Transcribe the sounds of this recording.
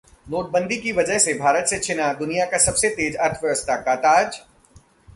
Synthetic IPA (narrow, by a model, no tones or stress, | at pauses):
noːʈ̚bə̃nd̪ʱikiʋɐd͡ʒəɦsebʱaːɾət̪set͡ʃʰɪnad̪ʊnijakasɐbset̪eːd͡ʒɐɾt̪ʰʋjɐʋəst̪ʰakaːt̪aːd͡ʒ